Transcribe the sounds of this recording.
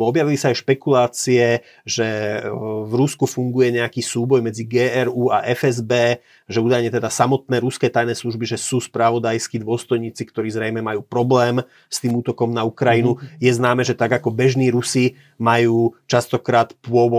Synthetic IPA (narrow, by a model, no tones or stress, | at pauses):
ɔbjaʋilisaːjʃpɛkulaːt͡siɛ | ʒɛ | vɾuskufuŋɡujɛɲɛakiːsuːbɔjmɛd͡ziɡɛːɛɾuːaʔɛfɛzbɛː | ʒɛuːd̪ajɲɛt̪ɛd̪asamɔt̪nɛːɾuskɛːt̪ajnɛːsluʒbiʒɛsuːspɾaʋɔd̪ajskid̪ʊɔst̪ɔjɲiːt͡sikt̪ɔɾiːzɾɛjmɛmajuːpɾɔblɛːm | st̪iːmuːt̪ɔkɔmnaukɾainujɛznaːmɛːʒɛt̪aɡakɔbɛʒniːɾusi | majuːt͡ʃast̪ɔkɾaːt̪pʊɔʋɔ